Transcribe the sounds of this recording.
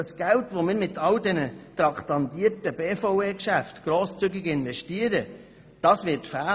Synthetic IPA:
əsɡ̥æltvomɪːɾmɪtʰɑldɛnət̪rɑktɑntiətəbeːfoweːkʃæftɡ̥ɾoːst͡syɡɪɡɪnvɛʃtiəɾə | d̥ɑːsvɪtfæː

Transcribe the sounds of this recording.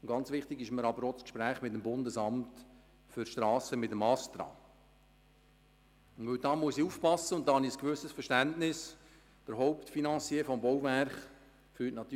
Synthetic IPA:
ɡ̥ɑnt͡sʋɪχtɪɡɪʃməɾɑbəɾoːskʃpɾæːχmɪtəmbʊndəsɑmt | fʏrʃtɾɑːsəmɪtəmɑst̪ɾɑ̰ː | ʊnvɵwdɑːmuəsiuːfpɑsːəʊnt̪ːɑːhɑniəskʋʏsəsfəʃtæntnɪs | b̥əɾɦɔʊptfinɑnt͡sifɔmbɔwværχ | fyːtnɑt̪y

